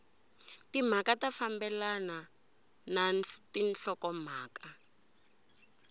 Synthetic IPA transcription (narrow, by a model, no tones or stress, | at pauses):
tim̤akatafambɛlana | natinɬɔkɔm̤aːka